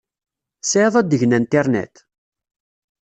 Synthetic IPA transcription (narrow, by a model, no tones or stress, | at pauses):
sʕəðˤæd̪ːəʝənænt̪ɛɾnḛt̪